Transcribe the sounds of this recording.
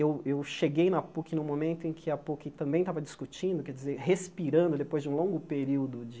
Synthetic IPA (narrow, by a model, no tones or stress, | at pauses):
ewewʃeɡejnɐpukinʊ̃momẽnt̪ʊẽŋ̃kʰɪɐpukɪt̪ɐ̃mbẽj̃t̪avɐd͡ʒiskut͡ʃĩnd̪ʊkɛɾd͡ʒizeɾhespiɾɐ̃nd̪ʊd̪epojzd͡ʒɪũlõŋɡʊpeɾiwd̪ʊd͡ʒ